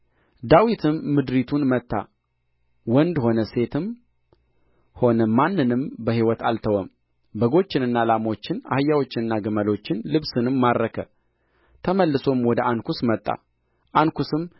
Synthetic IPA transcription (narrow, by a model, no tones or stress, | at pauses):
d̪awit̪ʰɨmːɨd̪ɾit̪ʰunmət̪ʰʼːa̰ | wɔnd̪ho̞nəse̞t̪ʰɨm | ho̞nəmanːɨnɨmbəɦiwɔt̪ʰalt̪ʰəwəm | bəɡo̞t͡ʃːɪnɨnːalamo̞t͡ʃːɪna̰hɨjːawo̞t͡ʃːɪnɨnːaɡɨməlo̞t͡ʃːɪnlɨβsɨnɨmːaɾɾəkʰə̰ | t̪ʰəməlːɨso̞mwɔd̪əʔankʰusmət̪ʼːa̰ | ʔankusɨm